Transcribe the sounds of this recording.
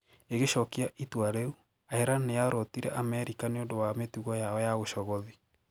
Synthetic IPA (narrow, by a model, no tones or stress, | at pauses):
eɣeʃɔkiaʔitwaɾeu | aheɾanejaɾɔtiɾɛʔamɛɾikaneodowametuɣɔjaɔjaɣoʃɔɣɔði